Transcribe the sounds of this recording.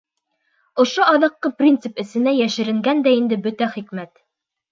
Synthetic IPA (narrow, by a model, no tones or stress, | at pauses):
ŏʃoʔɑðɤ̆qːɤprʲint̪sɘpɘ̆sɘ̆næjæʃɘ̆ɾɘ̆ŋɡænd̪æind̪ɘbɵt̪æχikmæt̪